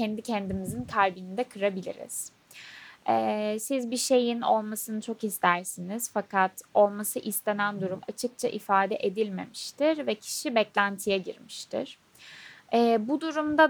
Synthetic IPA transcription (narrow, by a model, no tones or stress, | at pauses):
cɛnd̪icʰɛnd̪imizinkʰaɾbinid̪ɛkʰɯɾabilʲḭɾḭz̥ | ɛːsizbiʃe̞jino̞̰lˠmasɯnɯt͡ʃʰo̞kist̪ʰæɾsiniz̥fakat̪o̞lˠmasɯʔist̪ʰe̞nænd̪uɾuma̰t͡ʃʰɯk̚t͡ʃʰaʔifaːd̪ɛʔed̪ilʲme̞̰miʃt̪ʰiɾvɛcʰi̥ʃibɛclʲænt̪ʰijɛɟḭɾmiʃt̪ʰḭɾ̥ | ɛːbud̪uɾumd̪a